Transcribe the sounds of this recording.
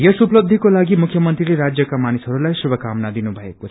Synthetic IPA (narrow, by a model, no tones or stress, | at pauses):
jʌsuplʌb̚d̪ʱikolaɡimukʰjʌmʌnt̪rileɾad͡zjʌkamanisɦʌɾulajsubʱʌkamnad̪inubʱʌekot͡sʰ